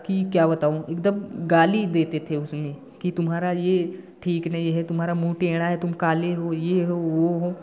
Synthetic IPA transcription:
kikjaːbɐt̪aːoeːkd̪əmɡaːlid̪eːt̪et̪ʰeʊsmẽ | kit̪ʊmɦaːɾaje | ʈʰiːknɐɦiɦɛt̪ʊmɦaːɾamũːʈẽːɽ̃aɦɛt̪ʊmkaːleɦoːjeɦoʋoɦoː

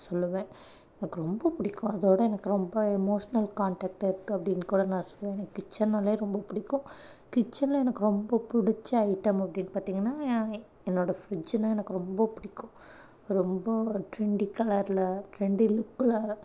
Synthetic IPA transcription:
sɔlːɯʋẽː | ɛnɐkːɯɾɔmbɐpʊɽɪkːʊ̃ɐðoːɽɐɛnɐkːɯɾɔmbɐɛmoːʂɐnɐlkaːɳʈaːk̚ʈɪɾɯt̪ːɯɐpːɐɽɪnkuːɽɐnãːsɔ̥lːʋẽːɛnɐkːɯkːɪt͡ʃːɐnːɐleːɾɔmbɐpʊɽɪkːʊ̃ | kɪt͡ʃːɐnlɐɛnɐkːɯɾɔmbɐpʊɽɪt͡ʃːɐɐɪʈːɐmɐpːɐɽɪnːpaːɾt̪iːŋɡɐnːãː | ɛnːoːɽɐfɾɪd͡ʒnɐ̃ɛnɐkːɯɾɔmbɐpʊɽɪkːʊ̃ | ɾɔmbɐʈɾɪɳɖikɐlɐɾlɐʈɾɪɳɖilʊkːɪlɐ

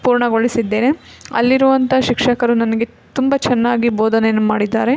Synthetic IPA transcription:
puːɾɳɐɡoɭisid̪ːe̞ːneɐ̰lːiɾuʋɐnt̪ʰɐʃikʂɐkɐɾunɐnɐɡe̞ | t̪umbɐt͡ʃɛnːaːɡiboːd̪ʱɐnejɐnːumaːɽid̪ːaːɾe̞

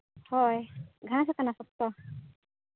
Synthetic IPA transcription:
hɔjɡʱãasakanasɔp̚t̪ɔ

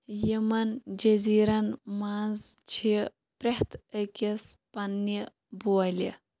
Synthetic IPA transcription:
jimɐnd͡ʒɐziːɾɐnmazt͡ʃʰi | pɾeht̪ʰəkespɐnːi | buɐlḭ

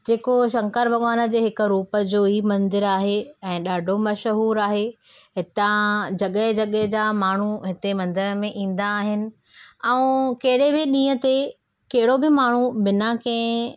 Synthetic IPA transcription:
d͡ʑeːkoʃɐ̃ŋkəɾʋɐɠaːnə̆d͡ʑeːɦɪkʊɾuːpə̆d͡ʑoːɦiːmɐ̃nd̪ɪɾaːɦeɛ̃ːɗaːɖʱomɐʃɦuːɾaːɦeɦɪt̪ãd͡ʑɐɠəɦd͡ʑɐɠeɦd͡ʑaːmaːɳ̤uɦɪt̪emɐ̃nd̪ɪɾəmẽʔĩːn̆d̪aːɦɪnɪ̆ | ɛũkɐɦɪɽebɪɗĩːət̪e | kɐɦɪɽobɪmaːɳ̤ubɪnakɐ̃ɦɪ̃

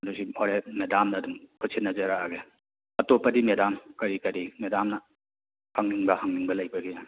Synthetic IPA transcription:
dusioɾemedamnɐːduŋkʰusʰinɐzɐɾaːɡe | ɐtopːɐdimedamkɐɾikɐɾimedamnɐ | haŋniŋbɐhaŋniŋbɐlɐjbɐɡija

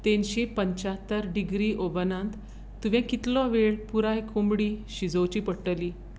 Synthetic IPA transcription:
t̪enɕepəɲt͡ɕat̪ːəɾɖiɡɾiːʔobənãnt̪ː | uʋɛ̃kit̪lɔʋeɭpuɾajkʰombɽiːɕid͡zowt͡ɕiːpəɽʈəliː

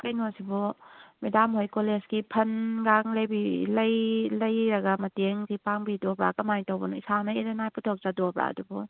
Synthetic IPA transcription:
kɐjnosibɔmedamɦojkolezɡipʰɐnɡaŋlɐjbilɐjlɐjɾɐɡɐmɐteŋɡipaŋbidobɾa̰kɐmajtɐwbɐnuisanɐiɾɐnajputʰok̚zadobɾa̰ɐ̰dubɔ

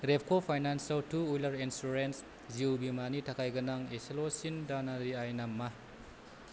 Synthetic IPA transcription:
ɾep̚ʰkʰopʰajnansaltʰuujlaɾinsuɾens | ziwbimanitʰakʰajɡɐnaŋeselosindanaɾiajnamːa

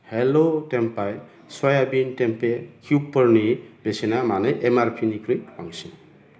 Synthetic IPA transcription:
helotempaj | sɔjabintempekʰupːɔɾnib̥esinamaneʔemaɾpʰinikɾijaŋsin

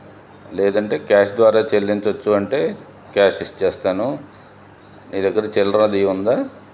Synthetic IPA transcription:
lɛːd̪ɐɳʈe̞ːkaːʂd̪ʋaːɾaːt͡ʃelːiɲt͡ʃɐt͡ʃːuɐɳʈe̞ː | kaːʂist͡ʃɛːst̪aːnu | niːd̪ɐɡːɐɾɐt͡ʃɛlɾɐnɐd̪iund̪aː

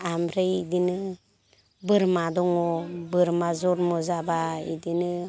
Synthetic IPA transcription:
amɾɯjidinɯ | bɯɾmadɔŋɔbɯɾmazɔɾmɔzabaḭdinɯ

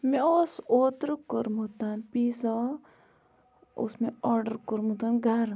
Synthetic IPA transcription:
meosoːt̪ɾkəɾmut̪anpisɔ | o̰smeɔɾɖəɾkəɾmut̪anɡʱaɾ

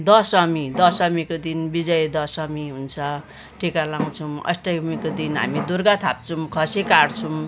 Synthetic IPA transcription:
d̪ʌsʌmid̪ʌsʌmikod̪inbid͡zʌjd̪ʌsʌmiɦunt͡sʰʌ | ʈʰikalãw̃t͡sʰumʌ̰sʈʌmikod̪inɦa̰mid̪urɡat̪ʰap̚t͡sʰumkʰʌsekaɽt͡sʰum

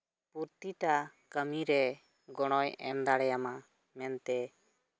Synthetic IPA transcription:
puɾt̪iʈa | kəmiɾɛ | ɡɔɽ̃ɔjɛ̰nd̪aɽɛjama | mɛnt̪ɛ

